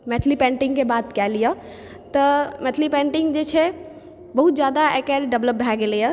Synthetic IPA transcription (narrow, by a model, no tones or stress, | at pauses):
mɛt̪ʰlipẽːɳʈɪ̃ŋɡkebaːd̪kɛːlijə | t̪ɐmɛt̪ʰlipẽːɳʈɪ̃ŋɡd͡ʒet͡ʃʰe | bɐɦut̪zjaːd̪aekɛːɖɖɐʋləp̚bʱɛːɡelijə